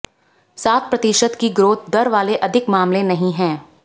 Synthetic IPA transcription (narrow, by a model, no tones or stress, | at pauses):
saːt̪̚ʰpɾɐt̪ɪʃəd̪kiɡɾoːt̪̚d̪ɐɾʋaːleʔɐd̪ʱɪkmaːmlẽnɐɦĩɦɛ̃ː